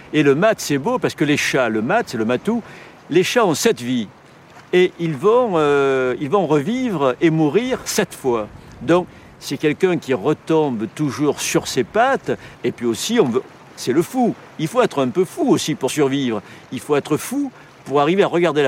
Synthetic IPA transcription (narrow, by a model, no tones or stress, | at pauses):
eləmat̪sɛbopaʁsə̥kəleʃaləmat̪sɛləmat̪u | leʃaɔ̃sɛt̪vi | eʔilvɔ̃øilvɔ̃ʁəvivʁemuʁiʁsɛt̪fwad̪ɔ̃k | sɛkʲɛlkɛ̃kʲiʁət̪ɔ̃bt̪uʒuʁsyʁsepat̪epɥiosiɔ̃vø | sɛləfu | ilfoɛt̪χɛ̃pøfuosipuʁsyʁvivʁə | ilfoɛt̪χəfu | puʁaʁiveaʁəɡaʁd̪el